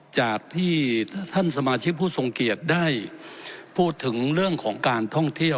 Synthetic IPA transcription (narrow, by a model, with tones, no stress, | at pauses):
t͡ɕaː˨˩k̚t̪ʰiː˥˩t̪ʰa˥˩nsa˧maː˧t͡ɕʰi˦˥k̚pʰːuː˥˩so˧ŋki˨˩ət̪̚daː˥˩j | pʰuː˥˩t̪ʰːɯ˩˦ŋɾɯ˥˩əŋkʰɔː˩˦ŋkaː˧nt̪ʰɔ˥˩ŋt̪ʰi˥˩əw